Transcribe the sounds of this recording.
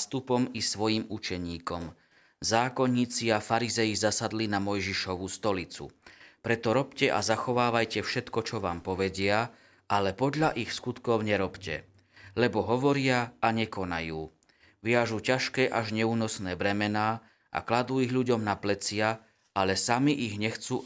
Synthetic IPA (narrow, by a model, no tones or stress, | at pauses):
st̪upɔmisʋɔjiːmut͡ʃɛɲiːkɔm | zaːkɔɲːiːt͡siafaɾizɛjizasad̪linamɔjʒiʃɔʋust̪ɔlit͡sṵpɾɛt̪ɔɾɔpcɛʔa̰zaxɔʋaːʋajcɛfʃɛt̪kɔt͡ʃɔʋaːmpɔʋɛɟɪa | ʔalɛpɔd̪ʎaʔixskut̪kɔʊɲɛɾɔpcɛ̰ | lɛbɔɦɔʋɔɾɪaaɲɛkɔnajuː | ʋɪaʒucaʃkɛːʔaʒɲɛuːnɔsnɛːbɾɛmɛnaː | ʔa̰klad̪uːiɣʎuɟɔmnaplɛt͡sɪa | alɛsamiʔiɣɲɛxt͡suː